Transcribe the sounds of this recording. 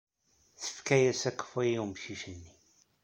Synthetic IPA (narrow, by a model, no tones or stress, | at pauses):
θə̥fkæjæsækːə̥fijimʃiʃənːi